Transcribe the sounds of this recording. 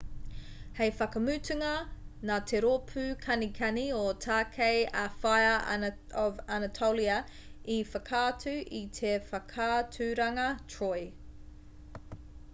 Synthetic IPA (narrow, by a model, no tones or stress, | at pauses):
hejfɐkɐmʉːtʰʉŋɐnaːt̪ʰeɾoːpʰʉːkʰɐnikʰɐniotʰaːkʰejafajɐ | ɔvanɐtʰowliɐ | ifɐkʰaːtʰʉʔit̪ʰefɐkʰaːtʰʉɾɐŋɐtʰɹoj